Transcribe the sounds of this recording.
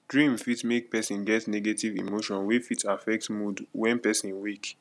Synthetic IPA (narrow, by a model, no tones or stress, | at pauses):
dɹĩmfitmek̚pɛsĩnɡɛtneɡetivḭmoʃɔ̃nwefitafɛk̚tmudwɛ̃npɛsĩnwek